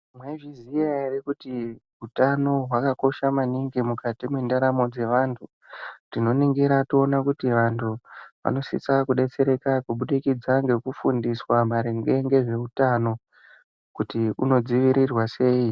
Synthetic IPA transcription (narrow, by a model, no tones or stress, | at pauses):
mweʐiziairikutiɦutano̞ɦwakako̞ʃamaniŋɡimukatimwendaɾamo̞d͡ze̞ʋaːntʰu | tino̞niŋɡiɾationakutiʋantʰuʋa̰no̞sḭt͡sakuɗe̞t͡se̞ɾe̞kakuɓuɗikid͡zaŋɡe̞kufundiswamaɾeŋɡe̞ŋɡe̞ʐe̞utano̞ | kutiuno̞d͡ziʋiɾirwase̞ːi